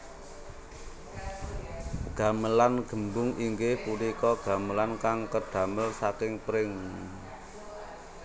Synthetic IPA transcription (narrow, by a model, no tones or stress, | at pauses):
ɡ̥a̤məlanɡ̥ə̤mbʊŋiŋɡɪhpuɾikɔɡ̥a̤məlankaŋkəɖ̥a̤məlsakɪŋpɾɪŋ